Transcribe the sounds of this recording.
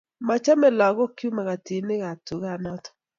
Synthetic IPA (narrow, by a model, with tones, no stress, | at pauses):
ma˨t͡ʃa˦mɛ˨lɔ˨ɣɔ˦kju˦ma˨ɣa˨ti˨nɪ˦ɣa˨tu˨ɣa˦˨nɔ˦tɔ̥˨